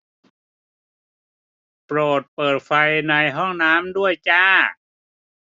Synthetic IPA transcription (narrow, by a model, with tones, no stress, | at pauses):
pɾoː˨˩t̪̚pɤː˨˩t̪̚fa˧jna˧jɦɔ˥˩ŋnaː˦˥mdu˥˩əjt͡ɕaː˧˥˩